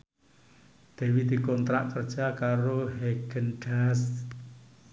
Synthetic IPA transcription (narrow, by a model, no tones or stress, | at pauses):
d̪̥e̤wid̪̥i̤kɔnt̪ɾa̰ʔkərd̥ʒ̥akaɾoɦeɡ̥ənɖ̥as